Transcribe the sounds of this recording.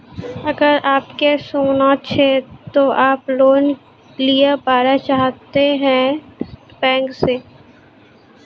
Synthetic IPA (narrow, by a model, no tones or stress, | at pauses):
ɐɡəɾaːpkesoːnat͡ʃʰet̪oʔaːploːn | lijapaːɾat͡ʃaːɦt̪eɦɛ̃ | bɛ̃ːŋkseː